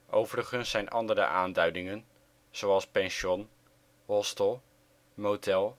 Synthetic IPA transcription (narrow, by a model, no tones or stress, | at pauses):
ʔowvəɾəχənsːɛjnʔɑndəɾə̰ʔaːndœɥdɪŋən | z̥owɑlˠspɛnʃɔn | ɦɔstəlˠ | motɛlˠ